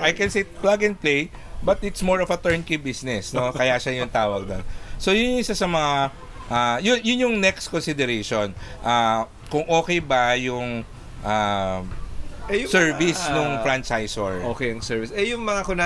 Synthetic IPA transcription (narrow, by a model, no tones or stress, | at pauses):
ʔajkɛnsiplaɡɪnplej | bɐt̪ɪt̪smoɹɔfɐt̪ɛɹnkibisnɛsno̞kɐjaʃajʊnt̪aːwɐɡ̚d̪onso̞jʊnjʊʔɪsasɐmɐŋa | ʔajʊjʊnjʊŋnɛkskonsɪd̪ɛɾeʃonʔa | kʊŋʔo̞ːkɛjbɐjʊŋ | ʔa | sɛɹvisnnʊŋfɹant͡ʃajsoɹʔoːkɛjɐŋsɛɹvɪsɛjʊŋmɐŋakʊna